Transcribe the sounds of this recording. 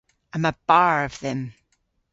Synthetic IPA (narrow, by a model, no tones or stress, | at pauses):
ãɪ̃məb̥ɑɹʌv̥ðɨ̃m